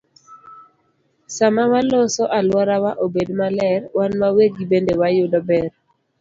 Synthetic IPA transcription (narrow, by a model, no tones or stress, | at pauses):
samawalosɔʔalwɔɾawaʔobedmalɛrwanmaweɡibendewajʊdɔbɛr